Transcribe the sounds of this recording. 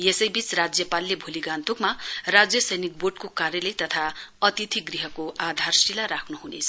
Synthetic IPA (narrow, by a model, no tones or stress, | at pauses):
jesʌjbit͡srad͡zjʌpalːebʱuliɡant̪ukmarad͡zjʌsʌjnik̚boɖkokarjʌlejt̪ʌt̪ʰaʌt̪it̪ʰiɡriɦʌkoad̪ʱarsilaɾakʰnuɦunḛt͡sʰʌ